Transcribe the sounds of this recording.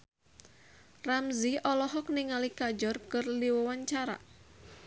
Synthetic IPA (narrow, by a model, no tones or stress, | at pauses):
ramziʔɔlɔɦɔk̚niŋalikad͡ʒɔrkɨrliwɔwaɲt͡ʃaɾa̰